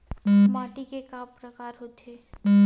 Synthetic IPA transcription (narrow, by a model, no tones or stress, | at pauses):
maːʈikekaːpɾəkaːɾɦot̪ʰeː